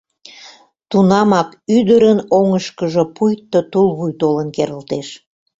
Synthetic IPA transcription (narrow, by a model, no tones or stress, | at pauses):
t̪unɑmɑkyd̪əɾənoŋəʃkəʒəpujt̪ːot̪ulβujt̪olənkeɾəlt̪eʃ